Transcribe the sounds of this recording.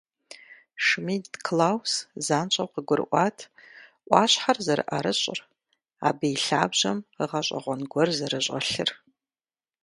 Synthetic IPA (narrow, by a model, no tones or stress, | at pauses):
ʂmitkʰlawszaːnt͡ʃʷʰʼawqəɡʷʊrʔʷatʰʔʷaːɕħarzɐɾ̰ʔaɾɨɕʷʼr | a̰bejɬaːbʒɐməʁɐɕʷʼɐ̰ʁʷɔnɡʷɔrzɐɾɨɕʷʼa̰ɬɨ̰r